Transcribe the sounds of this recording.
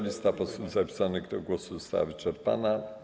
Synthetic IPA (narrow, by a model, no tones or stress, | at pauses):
lʲist̪apɔsub̪zapʲi̥sanɘɣd̪ɔɡwɔsuzɔst̪a̰wa̰vɘt͡ʂɛɾpa̰na